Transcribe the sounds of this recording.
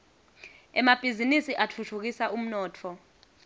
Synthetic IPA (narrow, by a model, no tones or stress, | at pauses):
ɛmab̥ʱizinisiʔatʰutʰuk̬isaʔum̩nɔːtʰɔ